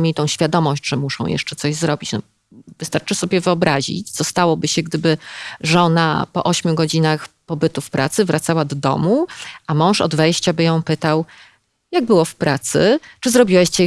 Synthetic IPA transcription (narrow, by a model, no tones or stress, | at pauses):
mʲeit̪ɔ̃w̃ɕfʲjad̪ɔmɔɕt͡ɕʐɛmuʂɔ̰̃w̃jɛ̰ʂt͡ʂɛt̪sɔʑzɾɔbʲit͡ɕnɔ | vɨst̪aɾt͡ʂɘsɔbʲjɛvɘɔbɾaʑḭt͡ɕt̪sɔst̪awɔbɘɕɛɡd̪ɘbɘʐɔna̰pɔ̰ʔɔɕmʲjuɡɔd͡ʑinaxpɔbɘt̪ufpɾʔa̰t̪sɘvɾʔat̪sawad̪ɔd̪ɔ̰muʔamɔ̃w̃ʂɔ̰d̪vɛjɕt͡ɕabɘjɔ̃w̃pɘt̪aw | jaɡ̚bɘwɔfpɾat̪sɘt͡ʂɘzɾɔbʲiwɛɕt͡ɕɛ